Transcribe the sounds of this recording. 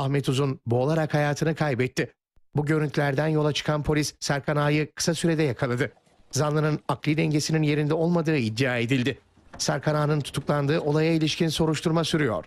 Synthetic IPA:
axmɛt̪uzunboːlˠaɾakhajaːt̪ʰɯnɯkʰajbɛt̪ːɪ | buɟø̞ɾynt̪ʰylʲæɾd̪ænjo̞lˠat͡ʃʰɯ̥kʰanpʰo̞lʲisːæɾkʰanaːjɯkʰɯ̥sasyɾe̞d̪ɛjakʰalˠad̪ɯ | zanlˠɯnɯnaklʲˠid̪ɛɲɟe̞sininje̞ɾind̪ɛo̞lˠmad̪ɯːid̪ːijaːe̞d̪ilʲd̪ɪ | sæɾkʰanaːnɯnt̪ʰu̥t̪ʰuklˠand̪ɯːʔo̞lˠajailʲiʃcinso̞ɾuʃt̪ʰuɾmasyɾyjo̞̰ɾ̥

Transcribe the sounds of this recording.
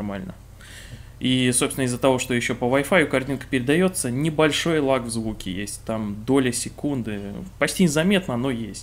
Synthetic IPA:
rmalʲnə | isopst̪ʲnəɪzːət̪ɐvo̞ʂt̪ojɪɕːo̞pəvɐjfajʊkɐrt̪ʲinkə̥pʲɪɾʲɪd̪ɐjo̞t̪sənʲɪbɐlʲʂo̞jlˠaɡvzvukʲɪjesʲtʲt̪amd̪o̞lʲəsʲɪkund̪ɨpɐt͡ɕtʲinʲɪzɐmʲe̞t̪nəɐno̞jesʲtʲ

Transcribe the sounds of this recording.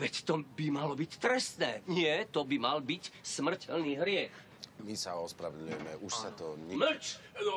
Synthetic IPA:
ʋɛct̪ɔbimalɔbict̪ɾɛst̪nɛːɲɪɛt̪ɔbimalbicsmr̩cʰɛlniːɦɾɪɛx | misaɔspɾaʋɛd̪ɲujɛmɛʔuʃsat̪ɔɲɛml̩t͡ʃ

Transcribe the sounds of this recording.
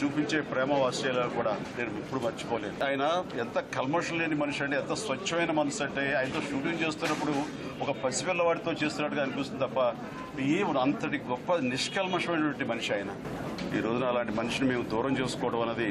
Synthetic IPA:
t͡ʃuːpiɲt͡ʃe̞ːpɾɛːmɐʋaːst͡ʃɛːjlaːlukuːɽaːne̞ːnuipːuɽumɐɾt͡ʃi̥pɔːleːniaːjɐnɐɛnt̪ɐkɐlmɐʂɐlleːɳʈimɐnuʂɐɳʈeɛnt̪ɐsʋɐt͡ʃʰːɐmɐjnɐmɐnɐsɐɳʈeːɐːjɐnt̪o̞ːʂʈuːɽijɐnt͡ʃe̞ːst̪unːɐpːuɽu | ɔkɐpɐsipɛlːɐʋaːɽit̪o̞ːt͡ʃe̞ːst̪unːaːɽuɡɐaɐnukunːst̪unt̪ɐpːɐ | iɐnt̪ɐʈiɡɔpːɐniʂkɐlmɐʂɐmɐjnɐʈʋɐɳʈ̬imɐnuʂiɐːjɐnɐ | iːɾo̞ːd͡ʒunɐːlaːɳʈimɐnuʂinime̞ːmud̪uːɾɐmt͡ʃeːsu̥kɔːʈɐmɐnːɐd̪i

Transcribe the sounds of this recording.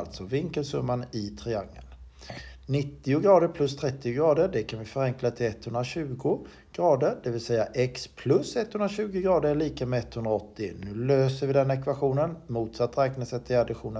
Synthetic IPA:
lt̪sɔvɪŋkəlsɵmːanɪt̪ʰɾɪaŋːə̰n | nɪt̪ːɪʊɡɾɑːd̪əɾpʰlɵst̪ʰɾɛt̪ːɪʊɡɾɑːd̪əɖɛkʰanvɪfœɾɛŋklat̪ʰɪlɛt̪hɵnd̪ɾaɕʉ̟ːɡʊ | ɡ̥ɾɑːd̪əɾd̪ɛvɪlsɛjːaʔɛkspʰlɵsɛt̪ːhɵnɾaɕʉ̟ːɡəɡɾɑːd̪əɭiːkəmɛɛt̪ːhɵnd̪ɾaɔt̪ːɪnʉ̟ːløːsəɾvɪd̪ɛnɛkvaɧuːnənmuːt̪sat̪ːɾɛːknasɛt̪ʰːɪad̪ɪɧuːnə

